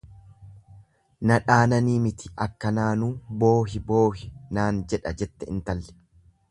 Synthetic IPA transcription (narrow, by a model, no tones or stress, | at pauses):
nɐᶑaːnɐniːmɪt̪ʰɪ̥ʔɐkːɐnaːnuːbo̞ːɦɪbo̞ːhɪnaːnd͡ʒɛᶑɐd͡ʒɛt̪ːɛɪnt̪ɐlːɛ̥